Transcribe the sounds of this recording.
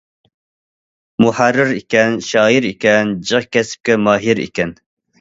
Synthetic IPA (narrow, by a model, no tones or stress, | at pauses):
muħarːɨɾikʲɛnʃɑːjiɾikʲɛnd͡ʒɨʁkʲɛsɪ̥p̚kʲɛmɑːɦiɾḭkʲɛn